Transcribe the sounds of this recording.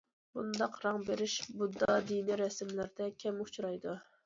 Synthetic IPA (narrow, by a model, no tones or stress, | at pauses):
bund̪ɑqɾɑŋbeɾɪʃbud̪ːɑd̪iniɾɛsmlɪɾd̪ɛkʲʰɛmut͡ʃʰɾɑjd̪u